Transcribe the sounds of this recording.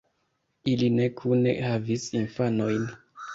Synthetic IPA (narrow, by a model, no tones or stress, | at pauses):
iline̞kʰunḛhavisinfano̞jn